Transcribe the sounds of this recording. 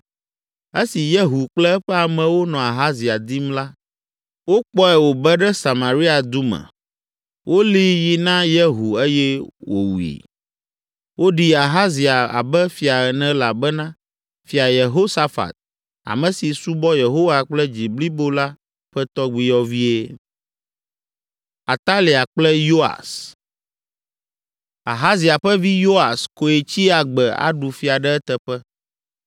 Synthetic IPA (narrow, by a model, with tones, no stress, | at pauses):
e˦si˨je˦ɦu˨k͡plɛ˦ɛ˦ɸɛ˦a˨mɛ̃˨wo˦nɔ̃˨a˨ɦa˦zi˨a˨d̪i˦mla˦ | wo˦k͡pɔ˦ɛ˨wo˨bɛ˦ɖɛ˦sa˨mã˨ɾi˦a˨d̪u˦mɛ̰̃˨ | wʔo˦li˦ji˨nã˦je˦ɦu˨e˦jɛ˦wo̰˨wu˨ḭ˨ | wo˦ɖi˦a˨ɦa˦zi˨a˨a̰˨bɛ˦fi˨a˨ɛ˨nɛ̃˦la˨bɛ˦nã˦ | fi˨a˨je˨ɦo˦sa˦fa̰˨t̪̚ | a̰˨mɛ̃˨si˨su˦bɔ˦je˨ɦo˦wa˨k͡plɛ˦d͡ʑi˨bli˦bo˦la˦ | ɸɛ˦t̪ɔ˦ɡ͡bi˦jɔ˦vi˦e˦ | a˨t̪a˦li˨a˨k͡plɛ˦jo˦a̰˨s | a˨ɦa˦zi˨a˨ɸɛ˦vi˦jo˦a˨sko˨e˨t͡ɕi˦a˨ɡ͡bɛ˨a̰˦ɖu˨fi˨a˨ɖɛ˦ɛ˦t̪ɛ˨ɸɛ˦